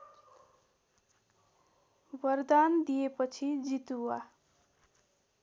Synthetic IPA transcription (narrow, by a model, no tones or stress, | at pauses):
bʌrd̪and̪ijepʌt͡sʰid͡zit̪uwa